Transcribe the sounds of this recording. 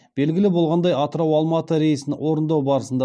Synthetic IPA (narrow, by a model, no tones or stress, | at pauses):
b̥e̞lɡʲɪlɪbo̞lˠʁɑnd̪ɑjɑt̪əɾɑwɑlˠmɑt̪əɾe̞jsɪnɪwo̞ɾənd̪ɑwbɑɾəsənd̪ɑ